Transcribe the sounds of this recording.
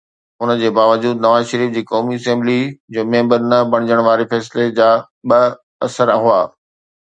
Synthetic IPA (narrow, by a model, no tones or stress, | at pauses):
ʊnə̆d͡ʑeːbaːʋəd͡ʑuːd̪nɐʋaːzʃəɾiːfd͡ʑiːkɔːmiɐsẽːmblid͡ʑoːmẽːmbəɾnɐbɐɽ̃ɪd͡ʑəɽ̃ʋaːɾefɛːsled͡ʑaː | ɓɐ | ɐsəɾaɦʊa̰ː